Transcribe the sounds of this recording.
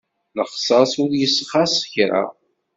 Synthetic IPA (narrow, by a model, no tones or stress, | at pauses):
nəχsɑsʊɾjəsːχasəçɾa̰